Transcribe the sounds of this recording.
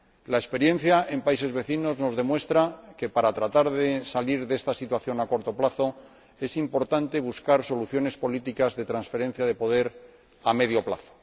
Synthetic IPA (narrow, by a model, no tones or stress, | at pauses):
laespe̞ɾje̞n̟θjae̞mpaise̞zβe̞θino̞zno̞zðe̞mwe̞st̪ɾake̞paɾat̪ɾat̪aɾðesaliɾðe̞st̪asit̪waθjo̞nako̞ɾt̪o̞plaθo̞ | e̞simpo̞ɾt̪ant̪e̞β̞uskaɾso̞luθjo̞ne̞spo̞lit̪ikazðe̞t̪ɾansfe̞ɾe̞n̟θjað̞epo̞ð̞e̞ɾ | ame̞ðjo̞pla̰θo̥